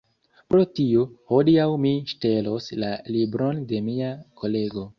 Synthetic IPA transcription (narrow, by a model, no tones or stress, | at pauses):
pɾo̞tiohodiawmiʃte̞lo̞slalibɾo̞nde̞miako̞le̞ɡo̞